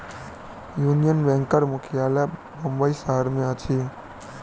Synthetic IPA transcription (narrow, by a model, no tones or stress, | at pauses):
junijənbɛ̃ŋkəɾmʊkʰijalɛ | bəmbəisəɦəɾmẽət͡ʃʰi